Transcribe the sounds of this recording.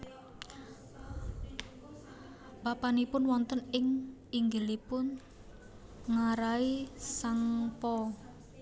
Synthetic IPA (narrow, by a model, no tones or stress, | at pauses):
b̥apanipʊnwɔnt̪ənɪŋiŋɡəlipʊn | ŋaɾaisaŋpɔ